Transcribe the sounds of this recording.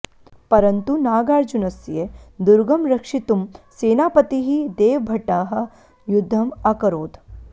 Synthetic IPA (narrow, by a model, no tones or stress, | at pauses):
pɐɾɐnt̪unaːɡaːɾd͡ʒunɐsjed̪uɾɡɐmɾɐkʂit̪umseːnaːpɐt̪iɦid̪eːʋbʱɐʈaːɦɐ̆ | jud̪ʱːɐmɐkɐɾoːd̪